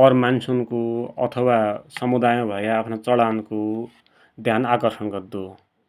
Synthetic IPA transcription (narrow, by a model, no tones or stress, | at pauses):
ʌrmansunkoʌ̰t̪ʰʌwasʌmud̪ajãbʱʌjaːpʰnat͡sʌɽanko | d̪ʱjanakʌrsʌnɡʌrd̪o